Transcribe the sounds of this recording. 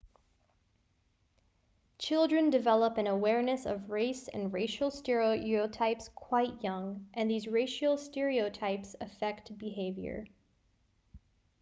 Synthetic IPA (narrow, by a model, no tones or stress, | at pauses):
t͡ʃʰɪlˠdɹɨ̃ndɨvɛlˠəpɨ̃nəwɛɹnɨsʌ̰vɹeɪsɨ̰̃nɹeɪʃl̩ˠstɛɹioʊoʊtʰaɪpskʰw̥aɪʔ̚jʌ̃ŋʔɨ̃nðizɹeɪʃl̩ˠstɛɹioʊtʰaɪpsɨfɛkt̚b̥ɨɦeɪvjə̰˞